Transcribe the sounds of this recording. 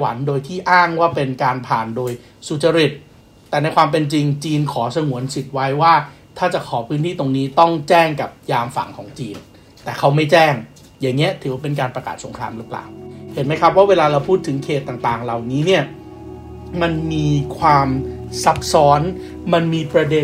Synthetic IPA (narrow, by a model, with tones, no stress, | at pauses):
wa̰˩˦ndoː˧jt̪ʰiː˥˩ʔaː˥˩ŋwaː˥˩pe˧nkaː˧npʰaː˨˩ndoː˧j | su˨˩t͡ɕa˧ɾi˨˩t̪̚ː | ɛː˨˩na˧jkʰwaː˧mp̬e˧nt͡ɕi˧ŋt͡ɕiː˧nkʰɔː˩˦sa˧ŋu˩˦ənsi˨˩t̪̚wa˦˥jwaː˥˩t̪ʰaː˥˩t͡ɕa˨˩kʰɔː˩˦pʰɯː˦˥nt̪ʰiː˥˩t̪o˧ŋniː˦˥t̪ɔ˥˩ŋt͡ɕɛː˥˩ŋka˨˩p̚jaː˧mfa̰˨˩ŋkʰɔ̰ː˩˦ŋt͡ɕiː˧n | t̪ɛː˨˩kʰa˦˥wma˥˩jt͡ɕɛː˥˩ŋ | jaː˨˩ŋːi˦˥ɐt̪ʰɯ˩˦wa˥˩pe˧nkaː˧npɾa˧ka̰ː˨˩t̪̚so˩˦ŋkʰɾaː˧mɾɯ˦˥pla̰ː˨˩whe˩˦nma˦˥jkʰa˦˥p̚waː˥˩weː˧laː˧ɾa˧wpʰuː˥˩t̪ʰːɯ˩˦ŋkʰeː˨˩t̪ːaː˨˩ŋt̪aː˨˩ŋɾa˨˩wniː˦˥ni˥˩ɐ | ma˧nmiː˧kʰwaː˧m | sa˨˦˩p̚sɔː˦˥n | ma˧nmiː˧pɾa˧de˧